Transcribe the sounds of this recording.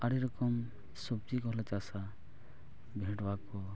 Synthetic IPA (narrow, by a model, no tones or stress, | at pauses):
aɾiɾɔkɔm | sɔb̚t͡ʃikɔɦlɛt͡ʃasa | bʱeʈwakɔ